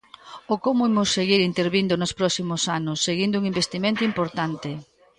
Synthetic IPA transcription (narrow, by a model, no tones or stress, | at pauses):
okomʊimʊsːeɣiɾint̪eɾβind̪ʊnʊspɾɔsimʊsanʊsːeɣind̪ʊuŋimbest̪imẽnt̪ʊimpoɾt̪ant̪ɪ